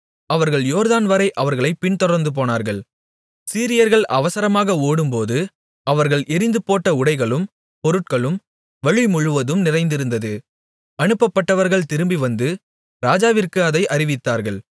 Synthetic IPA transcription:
ɐʋɐɾɣɐɭjoːɾðaːnʋɐɾɐɪʔɐʋɐɾɣɐɭɐɪpɪɳt̪ɔɽɐɾnd̪ɯp̬oːnaːɾɣɐɭ | siːɾɪjɐɾɣɐɭʔɐʋɐsɐɾɐmaːɣɐoːɽɯmpoːðɯ | ɐʋɐɾɣɐɭʔɪɾɪnd̪ɯpoːʈːɐʊɽɐɪɣɐɭɯm | pɔɾɯʈ̚kɐɭɯm | ʋɐɻimʊɻɯʋɐðɯmnɪrɐɪnd̪ɪɾɯnd̪ɐðɯ | ɐnɯpːɐpːɐʈːɐʋɐɾɣɐɭt̪ɪɾɯmbiʋɐnd̪ɯ | ɾaːd͡ʒaːʋɪrkɯɐðɐɪʔɐɾɪʋɪt̪ːaːɾɣɐɭ

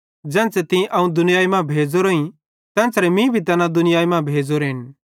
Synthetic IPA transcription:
d͡ʒɛ̃ːnt͡sɛt̪ɪ̃ʔɐũd̪ʊnɪjaːimãbʱeːd͡ʒoɾoĩ | t̪ɛ̃ːnt͡sɾɛmĩbʱit̪ɐnãd̪ʊnɪjaːimãbʱeːd͡ʒoɾɪn

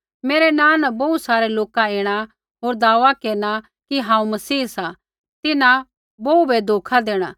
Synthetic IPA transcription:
meːɾenãːnɐbɐusaːɾeloːkaeːɽ̃a | ɦoːɾd̪aːʋakeːɾɽ̃a | kiɦãːũmɐsiːsa | t̪ɪnã | boubed̪ʱoːkʰad̪eːɽ̃aː

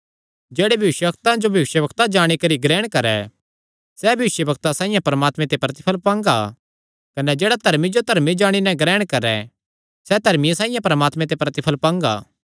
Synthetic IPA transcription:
d͡ʒeːɽebʱjɐɪʃjəʋɐkt̪ãd͡ʒobʱjɐʋɪʃjəʋɐkt̪ad͡ʒaːɽ̃ikɐɾiɡɾɛːɽ̃kɐɾɛ̰ | sɛbʱjʋɪʃjəʋɐk̚t̪asãːĩjãpɐɾəmaːt̪mẽt̪epɾɐt̪ɪpʰəlpãːŋɡa̰ | kɐnɛd͡ʒeːɽad̪ʱɐɾmid͡ʒot̪ɐɾmid͡ʒaːɽ̃inɛ̃ɡɾɛːɽ̃kɐɾɛ̰ | sɛd̪ʱɐɾmijãsãːĩjãpɐɾəmaːt̪mẽt̪̬epɾɐt̪ɪpʰəlpãːŋɡa̰ː

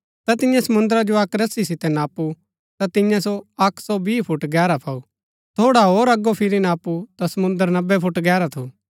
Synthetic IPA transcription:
t̪at̪ɪ̃jãsɐmʊ̃nd̪əɾad͡ʒoɐkɾɐsisɪt̪ɛnaːpu | t̪at̪ɪ̃jãsoɐkʰsɔbiːpʰʊʈɡɛːɾapʰaːu | t̪ʰoːɽaɦoːɾɐɡːopʰɪɾinaːput̪asɐmʊ̃nd̪əɾnɐbːɛpʰʊʈɡɛːɾat̪ʰuː

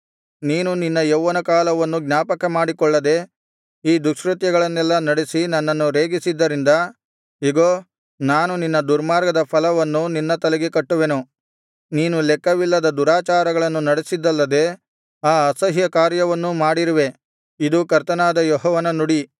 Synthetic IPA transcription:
niːnuninːɐjeʋːɐnɐkaːlɐʋɐnːuɡnʲaːpɐkɐmaːɽikɔɭːɐd̪e̞ | iːd̪ukʂɾut̪jɐɡɐɭɐnːɛlːɐnɐɽesinɐnːɐnːuɾeːɡisid̪ːɐɾind̪ɐ | iɡoː | naːnuninːɐd̪uɾmaːɾɡɐd̪ɐpʰɐlɐʋɐnːuninːɐt̪ɐlɛɡekɐʈːuʋenu | niːnulɛkːɐʋilːɐd̪ɐd̪uɾaːt͡ʃaːɾɐɡɐɭɐnːunɐɽesid̪ːɐlːɐd̪e̞ | aːɐsɐɦjɐkaːɾjɐʋɐnːumaːɽiɾiʋe | id̪ukɐɾt̪ɐnaːd̪ɐjɔɦɔːʋɐnɐnuɽi

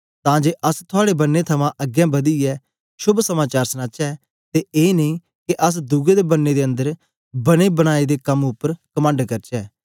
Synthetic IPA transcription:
t̪ãːd͡ʒeːʔəst̪ʰʊaːɽebənːet̪ʰɐmãːʔəɡjɛ̃ːbɐd̪iɛː | ʃʊbsəmaːt͡ʃaːɾsnaːt͡ʃɛː | t̪eːeːnəĩː | keʔəs̬d̪ʊɡed̪ebənːed̪eːə̃nd̪əɾ | bənebəɽ̃aːid̪eːkɐmʊpːəɾkəmə̃ːɳɖkɐɾt͡ʃɛː

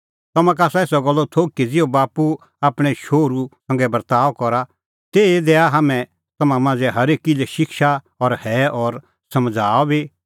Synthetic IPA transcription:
t̪ɐmãk̬aːsaeːsɔɡɔlːɔt̪ʰoːkid͡zɪobaːpu | aːpɽ̃ɛʃoːɾusɐ̃ŋ̆ɡɛbɐɾt̪aːɔkɔɾa | t̪eːed̪eːaɦaːmɛ̃ | t̪ɐmãmãːd͡zɛɦɐɾeːkːilɛʃɪkʃa | ɔɾhɛɔɾ | sɐmd͡zʱaːɔbi

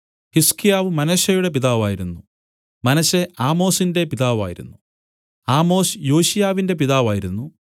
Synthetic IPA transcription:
hiskijaːʋɨmɐnɐɕɐjuɽe̞piðaːʋaːjiɾunːu | mɐnɐɕeʔaːmo̞ːsinde̞piðaːʋa̰ːjiɾṵnːu | aːmo̞ːsjoːɕijaːʋinde̞p̬iðaːʋaːjiɾunːu

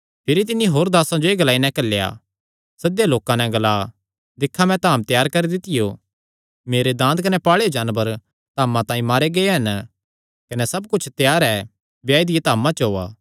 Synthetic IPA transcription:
pʰɪɾit̪̬ɪnːiɦoːɾd̪aːsãd͡ʒoeːɡɐlaːinɛ̃kɐlːeja̰ | sɐd̪jaloːkãnɛ̃ɡɐlaː | d̪ɪkʰːamɛ̃t̪aːmt̪jaːɾkɐɾid̪ɪt̪ɪjo | meːɾed̪ãːnd̪̚kɐnɛpaːɭeod͡ʒaːnbəɾ | t̪aːmãt̪ãːĩmaːɾeɡɐeɦɐn | kɐnɛsɐbkʊt͡ʃʰt̪jaːɾɛ | bjaːid̪ɪjet̪aːmãt͡ʃɐɦoːa̰ː

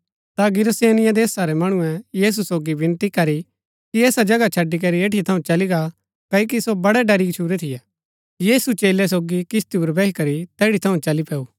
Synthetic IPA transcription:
t̪aɡɪɾseːnɪjãd̪eːsaɾɛmɐɽ̃ʊ̃ɛ̃jiːs̬usoːɡibɪ̃nt̪ikɐɾi | kiɛːsad͡ʒɐɡat͡ʃʰɐɖːik̬ɐɾieːʈit̪ʰɐũt͡ʃɐliɡa | kɐok̬isobɐɽɛɖɐɾikt͡ʃʰuːɾɛt̪ʰɪjɛ | jiːsut͡ʃeːlɛs̬oːɡikɪst̪iuɾbɛːikɐɾit̪ɛːɽit̪ʰɐũt͡ʃɐlipɛːu

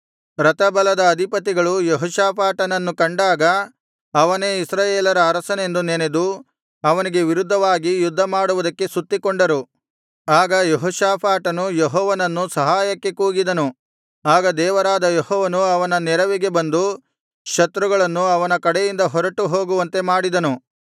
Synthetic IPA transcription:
ɾɐt̪ɐbɐlɐd̪ɐːd̪ʱipɐt̪iɡɐɭujeɦɔːʃaːpʰaːʈɐnɐnːukɐɳɖaːɡɐ | ɐʋɐne̞ːisɾaːjeːlɐɾɐːɾɐsɐne̞nd̪unene̞d̪u | ɐʋɐniɡe̞ʋiɾud̪ʱːɐʋaːɡijud̪ʱːɐmaːɽuʋud̪ɐkːe̞sut̪ːikoɳɖɐɾu | aːɡɐjeɦɔːʃaːpʰaːʈɐnujeɦɔːʋɐnɐnːusɐɦaːjɐkːe̞kuːɡid̪ɐnu | aːɡɐd̪ɛːʋɐɾaːd̪ɐjehɔːʋɐnuɐʋɐnɐnɛɾɐʋiɡe̞bɐnd̪u | ʃɐt̪ɾuɡɐɭɐnːuɐʋɐnɐkɐɽejind̪ɐɦɔɾɐʈuɦo̞ːɡuʋɐnt̪e̞maːɽid̪ɐnu

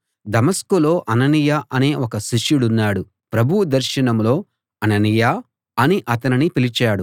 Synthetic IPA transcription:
d̪ɐmɐskulo̞ːʔɐnɐnijaʔɐne̞ːɔkɐʃiʂjuɽunːaːɽu | pɾɐbʱuwud̪ɐɾʃɐɳɐmlo̞ː | ɐnɐnijaː | ɐniʔɐt̪ɐninipilit͡ʃaːɽu

